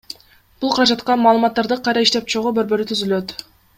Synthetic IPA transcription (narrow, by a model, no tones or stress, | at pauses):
b̥ulˠqʰɑɾɑd͡ʒɑt̪qɑmɑːlˠɯmɑt̪ːɑɾd̪ɯqʰɑjɾɑiʃt̪e̞p̚t͡ʃʰoʁubø̞ɾbø̞ɾyt̪ʰyzylø̞t̪